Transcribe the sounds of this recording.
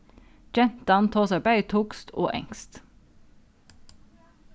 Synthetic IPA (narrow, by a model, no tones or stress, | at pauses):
d͡ʒɛnt̪ɑnt̪ʰoːsɑbæɪt̪ʰuːkst̪o̰ːʔɛ̰ŋst̪